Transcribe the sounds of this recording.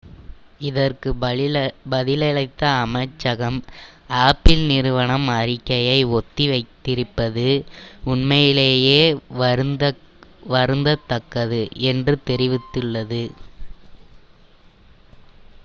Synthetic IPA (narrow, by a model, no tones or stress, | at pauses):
ɪðɐrkɯ | bɐðɪlɐɭɐɪt̪ːɐːmɐɪt͡ʃːɐɣɐmaːpɪlnɪɾɯʋɐɳɐmɐɾɪkːɐjɐɪɔt̪ːiʋɐɪt̪ːɪɾɯpːɐðɯʊɳmɐjɪleːjeːɾd̪ɐ | ʋɐɾɯnd̪ɐt̪ːɐkːɐðɯɛndrɯt̪ɛɾɪʋɪt̪ːɯɭːɐðɯ